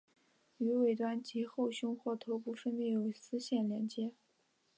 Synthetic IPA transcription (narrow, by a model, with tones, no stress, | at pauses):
y˧˥we˨˩ɪt̪wa˥nt͡ɕi˧˥xo˥˧ʊɕʊ˥ŋxwɔ˥˩t̪ʰo˧˥ʊpu˥fə˥npjɛ˥˩jo˨˩ʊsɹ̩˥ɕjɛ˥˩nljɛ˧˥nt͡ɕjɛ˥